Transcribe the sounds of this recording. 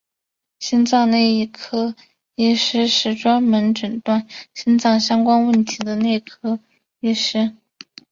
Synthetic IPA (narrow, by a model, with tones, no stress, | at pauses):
ɕi˥nt͡sɑ˥˧ŋne˥˧ɪi˥˩kʰɤ˥ | i˥˩ʂɻ̩˥ʂɻ̩˥˩ʈ͡ʂwa˥nmə˧˥nʈ͡ʂə˨˩nt̪wa˥˩nɕi˥nt͡sɑ˥˩ŋɕjɑ˥ŋkwa˥nwə˥˩nt̪ʰi˧˥d̪ə˧ne˥˩ɪkʰɤ˥ | i˥ʂɻ̩˥